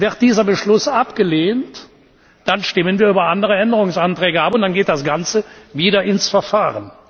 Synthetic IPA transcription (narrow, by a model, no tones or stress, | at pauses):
vɪʁt̚d̥iːzɐbəʃlʊsʔapɡ̥əleːnt | d̥anʃtɪmənviːɐyːbɐʔandəʁ̞əɛndəʁʊŋsantʁ̥ɛːɡəʔapʊntd̥anɡeːt̚d̥asɡ̥ant͡səviːdɐʔɪnsfɛɐfaːʁən